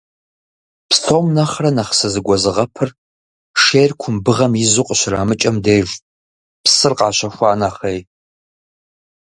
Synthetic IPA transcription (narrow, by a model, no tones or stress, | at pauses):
pstʰomnɐχrɐnɐχsɨzɨɡʷɔzɨʁɐpʰɨr | ʂejrkʷʰʊmbɨʁɐmizuqʼɕɪra̰ːmɨt͡ʃʼɐmdeːʒʷ | psɨrqʼaːɕɐxʷaːnɐχej